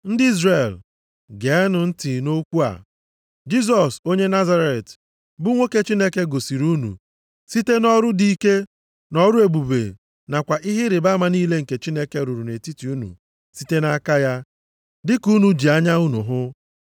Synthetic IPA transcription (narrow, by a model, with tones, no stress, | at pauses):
n̩˦dɪ˦i˦zre˨l | ɡe˨ɛ˦nʊ˨n̩˦ti˨no˦kʷu˦a̰˨ | d͡ʒi˦z̬ɔ˨so˦ɲe˦na˦za˦ɾe˨t | bʊ˦ŋʷe˦ke˦t͡ʃi˦ne˦ke˦ɡo˨si˨ɾu˦nṵ˨ | si˦te˦nɔ˦ɾʊ˦di˨i˦ke˦ | nɔ˦ɾʊ˦e˨bu˨bḛ˨ | na˨kʷa˨ʔɪ˦ɦɪ˦ɾɪ˨ba˦ma˦niː˦le˦ŋ̩˨ke˨t͡ʃi˦ne˦ke˦ɾu˨ɾu˨ne˨ti˦ti˨u˦nṵ˨ | si˦te˦na˦ka˦ja˦ | dɪ˦ku˦nu˨d͡ʒi˨a˦ɲa˦u˦nṵ˨ɦʊ˦